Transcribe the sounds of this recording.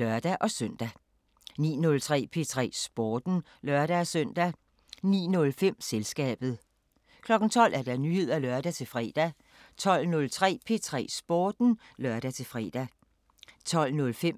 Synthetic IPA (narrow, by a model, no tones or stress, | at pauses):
ɶɐd̥æʔɒ̽søn̰d̥æ | nḭːnɔ̽lt͡sʰʁɛ̰ːpʰe̝t͡sʰʁɛ̰ːsb̥ɔːd̥n̩ | lɶɐɾ̥æɒsœn̰d̥æ | nḭːnɔ̽lfem̰selsɡ̥ɛ̰ːb̥ð̞̩ˠ | kʰlɒ̽ɡ̥n̩t͡sʰɒ̽l̰ʔæɐd̥ɑ̈nyhe̝ð̞̰ˠælɶɐd̥æt͡sʰe̝lfʁɛ̰d̥æ | t͡sʰɒ̽l̰nɔ̽lt͡sʰʁɛ̰ːpʰe̝t͡sʰʁɛ̰ːsb̥oːd̥n̩lɶɐɾ̥æt͡sʰe̝fʁɛ̰d̥æ | t͡sʰɒ̽l̰nɔ̽lfem